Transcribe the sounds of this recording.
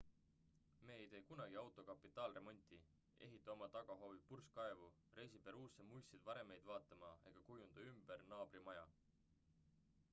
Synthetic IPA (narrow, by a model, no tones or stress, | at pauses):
me̞ːejt̪e̞jkunɑɡ̥iɑwt̪ˑo̞kɑpːˑit̪ːˑɑːlre̞mo̞nʲt̪ʲˑi | e̞̰ɦit̪ːˑɑomɑt̪ɑɡ̥ɑɦo̞vipurskɑevu | re̞js̬ipeɾuːsemujsed̪̥vɑɾe̞me̞jd̪vɑːt̪ːˑɑmɑe̞̰ɡ̥ɑkujund̪̥ɑymb̥ernɑːb̥rimɑjɑ